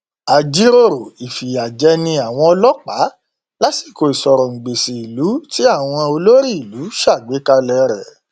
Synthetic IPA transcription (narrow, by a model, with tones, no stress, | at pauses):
a˨d͡ʒi˦ɾo˦˨ɾo˨i˨fi˨a˨d͡ʒɛ˧˦nĩ˧a˨w̃ɔ̃˧ɔ˧lɔ˦k͡pa˨˦ | la˦si˦˨ko˨i˨sɔ˨ɾɔ̃˨ŋ͡m̩˨ɡ͡be˨si˨i˨lu˨˦ti˦a˦˨w̃ɔ̃˧o˧lo˦ɾi˦i˨lu˨˦ʃa˦˨ɡ͡be˨˦ka˧lɛ˧ɾɛ˨